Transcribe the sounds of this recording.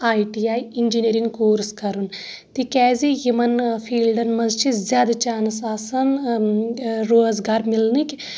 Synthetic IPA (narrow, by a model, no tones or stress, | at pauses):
aːiʈiaːjind͡ʒiniɾiŋɡkoːɾskɐɾun | t̪ikɛːzijumɐnfʰiːlɖɐnmɐzt͡ʃizjaːd̪at͡ʃaːnsaːsɐn | ɾoːzɡaːɾmilnik